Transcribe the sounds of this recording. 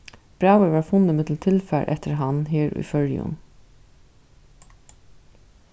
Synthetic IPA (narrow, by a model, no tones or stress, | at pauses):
b̥ɾawəʋɑːɹfʊnːəmɪt̪l̩t̪ʰɪlfæɾʔɛ̰t̪əɾɦanɦeːɹṵjfœɹjʊ̰n